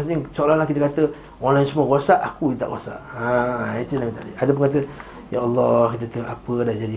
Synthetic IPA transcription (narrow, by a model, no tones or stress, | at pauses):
asɲəsoalalahkit̪əkat̪ə | ɔnlajsəmuakosaʔakuit̪a̰ʔɣosa̰ʔait̪inamit̪a̰ʔdiʔadəp̬əŋat̪̬ə | jaɑlːɑhkit̪̬ət̪əʔapədaʔd͡ʒadi